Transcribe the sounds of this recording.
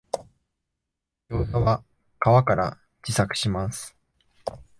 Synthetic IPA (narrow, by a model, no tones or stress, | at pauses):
joːsoβa | kaβakaɾa | d͡ʑisakɯ̟̥ɕimasɨ̥